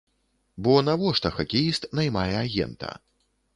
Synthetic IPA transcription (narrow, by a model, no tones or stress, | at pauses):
bɔnavɔʂt̪ɐxakʲijist̪najmajɛaɣʲɛ̰nt̪ɐ̰